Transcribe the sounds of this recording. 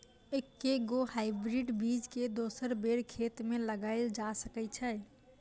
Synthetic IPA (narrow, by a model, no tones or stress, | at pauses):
ekːeɡohaɪbɾiɖbid͡ʒked̪osəɾbeɾkʰet̪meləɡaɪld͡ʒasəkɛt͡ʃʰə